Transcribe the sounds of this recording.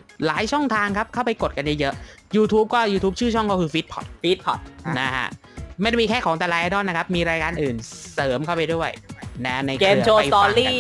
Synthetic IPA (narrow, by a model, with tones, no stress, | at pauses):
laː˩˦jt͡ɕʰɔ˥˩ŋt̪ʰaː˧ŋkʰa˦˥p̚kʰa˥˩wpa˧jko˨˩t̪̚ka˧nja˦˥˩jɤ˦˥ʔjuː˧t̪ʰuː˦˥p̚kɔː˥˩juː˧t̪ʰuː˦˥p̚t͡ɕʰɯː˥˩t͡ɕʰɔ˥˩ŋkaː˥˩kʰɯː˧fiː˦˥t̪̚pʰɔ̰˨˩t̪̚fi˦˥t̪̚pʰɔ˨˩t̪̚na˦˥kʰa̰˦˥ʔ | ma˥˩jda˥˩miː˧kʰɛː˥˩kʰɔː˩˦ŋt̪aː˨˩laː˧ʔa˧dɔ˥˩na˦˥kʰa˦˥p̚miː˧ɾaː˧jkaː˧nʔɯː˨˩nsɤː˩˦mkʰa˥˩wpa˧jdu˥˩əjna˦˥na˧jkeː˧mt͡ɕʰoː˧jɔː˧liː˥˩